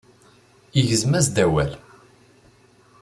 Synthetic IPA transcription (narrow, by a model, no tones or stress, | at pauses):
iʝəzmæzd̪æwæl